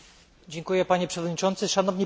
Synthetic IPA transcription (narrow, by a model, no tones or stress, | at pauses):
d͡ʑɛŋkujɛpaɲɛpʂɛvɔd̪ɲit͡ʂɔnt̪sɘʂanɔvɲi